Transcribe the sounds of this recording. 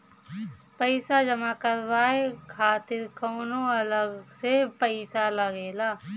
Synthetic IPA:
pəɪsad͡ʒɐmakəɾʋaːekʰaːt̪ɪɾkɔːnõɐləɡsepəɪsalɐɡeːlaː

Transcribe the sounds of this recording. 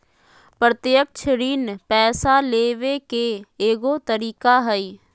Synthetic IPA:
pɾət̪jək̚t͡ʃʰɪɽiːnpɛːsaleːʋekeeːɡot̪əɾiːkaɦəi

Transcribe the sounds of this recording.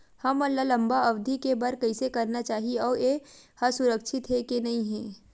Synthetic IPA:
hɐmɐnlalɐ̃mbaɐʋd̪ʱikebɐɾkɐisekɐɾnat͡ʃaːɦiɔːɾehasʊɾəkʃʰɪt̪ɦɛkenɐɦĩɦɛ̃ː

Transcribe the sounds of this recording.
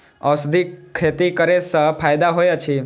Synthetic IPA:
əsd̪ʱikʰːet̪ikəɾesəpʰajd̪aɦojat͡ʃʰi

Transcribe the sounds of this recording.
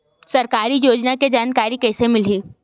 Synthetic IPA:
sɐɾkaːɾijoːd͡ʒnaked͡ʒaːnkaːɾikɛːsemɪl̤iː

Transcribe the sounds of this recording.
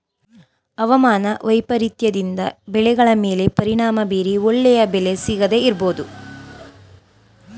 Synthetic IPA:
ɐʋɐmaːnɐʋɐjpɐɾit̪jɐd̪ind̪ɐbɛɭɛɡɐɭɐme̞ːle̞pɐɾiɳaːmɐbiːɾiɔɭːɛjɐbɛle̞siːɡɐd̪e̞iɾbo̞ːd̪u

